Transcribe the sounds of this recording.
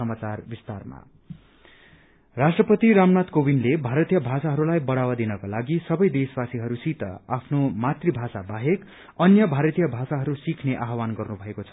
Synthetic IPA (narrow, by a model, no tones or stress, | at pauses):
ʌmat͡sarbist̪arma̰ | rasʈrʌpʌt̪iɾamnat̪kobinlebʱaɾʌt̪ijʌbʱasaɦʌɾulajbʌɽawad̪inʌkalaɡisʌbʌjd̪esbasiɦʌɾusit̪ʌ̰apʰnomat̪ribʱasabaɦek | ʌnjʌbʱaɾʌt̪ijʌbʱasaɦʌɾusikʰneʔaɦwanɡʌrnubʱʌekot͡sʰʌ̥